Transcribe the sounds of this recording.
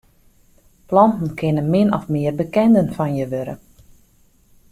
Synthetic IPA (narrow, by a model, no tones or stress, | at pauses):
plɔntn̩kʰɪnəmɪnɔ̰fmɪərbəkɛndənfɔnjəʋøɾə̰